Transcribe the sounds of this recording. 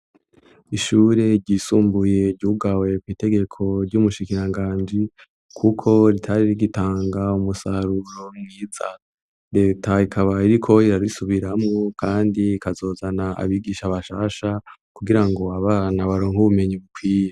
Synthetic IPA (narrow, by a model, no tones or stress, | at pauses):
iʃuɾe̞ɾɟiːsuːmbuje̞ɾɟuːɡawe̞kwiːte̞ɡe̞kʰo̞ɾɟumuʃikiɾaŋɡaːnd͡ʒi | kʰukʰo̞ɾitʰaɾiɾiɡitaːŋɡaumusaɾuɾo̞mŋiːza | ɾe̞ːtʰaikʰaβaiɾikʰo̞iɾaɾisuβiɾamŋokʰaːndiːkazo̞ːzanaa̰βiːɡiːʃaβaʃaːʃakuɡiɾaŋɡo̞aβaːnaβaɾoːŋhuβume̞ɲiβukwiːje